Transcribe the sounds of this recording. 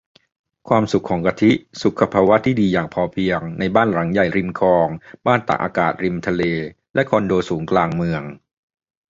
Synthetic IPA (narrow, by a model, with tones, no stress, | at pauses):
kʰwaː˧msu˨˩kʰːɔː˩˦ŋka˧t̪ʰi˦˥su˨˩kʰːa˧pʰaː˧wa˦˥t̪ʰiː˥˩diː˧jaː˨˩ŋpʰɔː˧pʰi˧əŋna˧jbaː˥˩nɾa˩˦ŋja˨˩jɾi˧mkʰɔː˧ŋbaː˥˩nt̪a̰˨˩k̚ʔa̰ː˧kaː˨˩t̪̚ɾi˧mt̪ʰa˧leː˧ | lɛ˦˥ʔkʰɔː˧ndoː˧suː˩˦ŋklaː˧ŋmɯ˧əŋ